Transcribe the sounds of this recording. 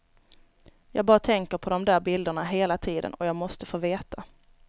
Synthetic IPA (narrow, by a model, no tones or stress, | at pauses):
jɑ̰ːɡbɑːɾat̪ʰɛŋkəɾpʰɔd̪ɔmd̪æːɾbɪld̪əɳaɦeːlat̪ʰiːd̪ə̰nɔjɑːɡmɔst̪əfoːveːt̪ʰa